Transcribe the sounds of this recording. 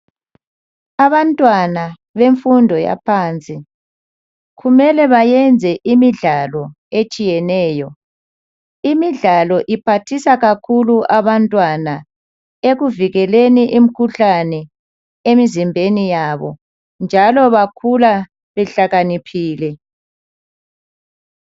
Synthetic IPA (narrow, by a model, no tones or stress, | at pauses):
aβantʼwana | βeɱfundʱɔja̰pʰaːnt͡sʼi | ɣumɛlɛβajɛnd͡zʱɛʔimiɮalɔ | et͡ʃʼijɛnɛːjɔ | imiɮalɔʔipʰatʰisaɣakʰuluʔaβantʼwana | eɣuviɣɛleniʔim̩kʰuɬanɛ | emizimbʱenijaβɔ̰ | nd͡ʒʱalɔβakʰula | βɛɬaɣanipʰiːlɛ